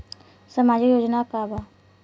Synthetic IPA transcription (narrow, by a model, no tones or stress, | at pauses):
səmaːd͡ʒijoːd͡ʒnakaːba